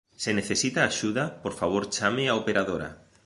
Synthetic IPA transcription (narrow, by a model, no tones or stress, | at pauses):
seneθesit̪aːʃuðapoɾfaβ̞oɾt͡ʃamɪaopeɾaðoɾa̰